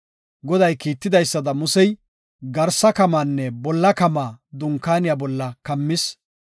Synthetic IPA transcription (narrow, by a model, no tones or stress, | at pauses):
ɡɔd̪ɐjkiːt̪ːɪd̪ɐjsːɐd̪ɐmʊsɛj | ɡɐɾsɐkɐmaːnːɛbɔlːɐkɐmaːd̪ʊŋkaːnɪjaːbɔlːɐkɐmːɪs